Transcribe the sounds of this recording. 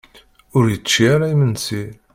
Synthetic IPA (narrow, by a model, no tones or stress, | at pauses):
ʊɾjət͡st͡ʃːiaɾajmənsi